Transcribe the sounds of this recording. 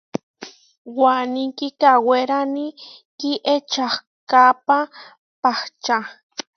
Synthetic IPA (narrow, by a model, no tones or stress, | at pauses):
wanikikaweɾanikiʔet͡ʃah | kapa | paht͡ʃa